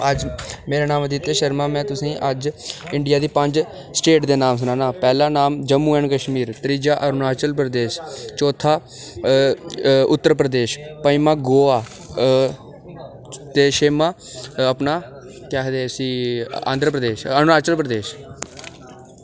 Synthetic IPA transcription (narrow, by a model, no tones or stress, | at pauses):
əd͡ʒmeːɾaːnaːmd̪it̪ːeːʃəɾmãːmɛ̃ːt̪ʊsĩːʔəd͡ʒɪɳɖɪjaːd̪iːpəɲd͡ʒ | sʈeːʈd̪eːnaːms̬ʊnãːnaːpɛːlaːnaːmd͡ʒəmːuːɛ̃ːnkəʃmiːɾt̪əɾiːd͡ʒaːʔəɾnaːt͡ʃəlp̬ɾəd̪eːʃt͡ʃoːt̪ʰːaː | ʊt̪ːəɾpɾəd̪eːʃpəimaːɡoːaː | t̪eːʃeːmaː | əpnaː | kɛːɦd̪eːsĩːã̰ːnd̪ɾəpɾəd̪eːʃəɾnaːt͡ʃəlpɾəd̪eːʃ